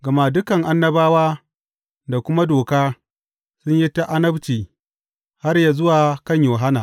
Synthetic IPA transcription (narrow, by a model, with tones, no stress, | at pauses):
ɡɐ˨ma˦dʊ˦kɐ˨ŋʔa˦nːɐ˦baː˦waː˦ | da˨kʷʊ˦ma˦doː˨kaː˦ | sʊ˦ɲji˦ta˦ʔa˦nɐ˦bt͡ʃiː˨ | ha˦rja˨zʊ˦waː˨kɐ˦˨ɲjoː˨ɦa˦naː˨